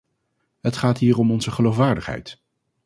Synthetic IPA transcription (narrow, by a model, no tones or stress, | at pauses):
ɦətχaːtɦiːrɔmɔnzəχəlowfʋaːɹdəχɦɛ̰jt